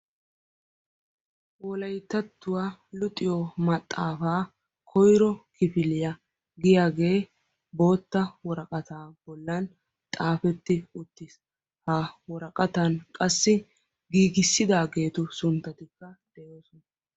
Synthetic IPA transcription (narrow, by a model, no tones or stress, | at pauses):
wɔlɐjt̪ːɐt̪ːʊwaːlʊt̪ʼːɪjɔmɐt̪ʼːaːfaː | kʰɔjɾɔkɪfɪlɪjɐ | ɡɪjaːɡe̞ː | bo̞ːt̪ːɐwɔɾɐkʼɐt̪aːbɔlːɐn | t̪ʼaːfɛt̪ːɪʊt̪ːɪs | hɐwɔɾɐkʼɐt̪ɐnkʼɐsːɪ | ɡiːɡɪsːɪd̪aːɡe̞ːt̪ʊsʊnt̪ːɐt̪ɪkːɐd̪̥ɛjoːsɔn